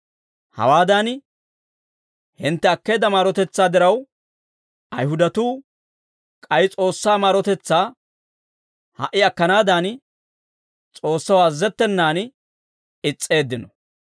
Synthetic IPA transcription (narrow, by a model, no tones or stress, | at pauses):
hɐ̰waːd̪aːn | hɪnt̪ːɛɐkːe̞ːd̪ɐmaːɾɔt̪ɛt͡sːaːd̪ɪɾɐw | ʔɐjɦʊd̪ɐt̪uː | kʼɐjt͡sʼo̞ːsːaːmaːɾɔt̪ɛt͡sːaː | hɐ̰ʔːɪɐkːɐnaːd̪aːn | t͡sʼo̞ːsːɐwɐzːɛt̪ːɛnːaːn | ɪt͡sʼːe̞ːd̪ːɪnɔ